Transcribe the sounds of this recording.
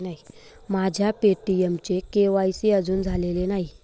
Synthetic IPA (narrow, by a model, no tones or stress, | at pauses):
naɦi | mad͡ʑʱjapeʈiemt͡ɕekeʋajsiəd͡zuːnd͡zʱalelenaɦi